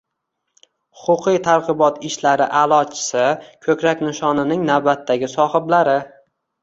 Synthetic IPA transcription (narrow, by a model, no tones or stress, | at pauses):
hʊqʊqʰɨjt̪ʰaɾqɨbɒt̪ʰɪʃlaɾɪʔalˠɒt͡ʃʰɪ̥sɪkʰɵkʲɾakʲnɪʃɒnɪnɪŋnawbat̪ʰːaɡʲɪsɒhɪblaɾɪ